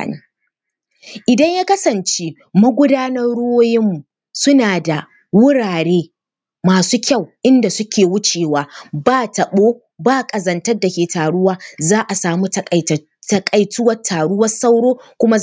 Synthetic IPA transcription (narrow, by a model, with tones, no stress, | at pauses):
ni˦ | ʔɪ˨dɐ˦ɲjaː˦kɐ˦sɐ˨nt͡ʃe˦ | mɐ˦ɡʷʊ˦daː˦nɐ˦rɽʊ˦woː˦jɪ˦mːu˨ | sʊ˦naː˨da˨ | wʊ˦ɽaː˨ɽeː˦ | maː˨suː˦kʲa˦˨wʔɪ˦nda˨sʊ˦kʲʰeː˨wʊ˦t͡ʃeː˨waː˨baː˦tɐ˨ɓoː˦ | baː˦kʼɐ˨zɐ˨ntɐ˦rda˨kʲeː˨taː˨ɽʊ˦waː˦zaː˦ʔa˨saː˨mu˦tɐ˦˨ | tɐ˦kʼɐ˨jtʊ˦wɐ˦tʰːaː˨ɽʊ˦wɐ˦sa˦wɽoː˦kʷʊ˦ma˦